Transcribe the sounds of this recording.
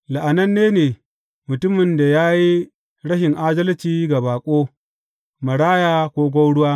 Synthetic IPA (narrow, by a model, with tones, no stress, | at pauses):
la˨ʔa˨nɐ˦nːeː˦neː˨ | mʊ˨tʊ˦mɪ˨nda˨jaː˦ji˦ | ɽɐ˦ʃɪ˨ŋʔaː˦dɐ˦lt͡ʃiː˦ɡa˨baː˨kʷʼoː˦ | mɐ˨ɽaː˦jaː˦kʷoː˦ɡʷɐ˦wɽʊ˦waː˦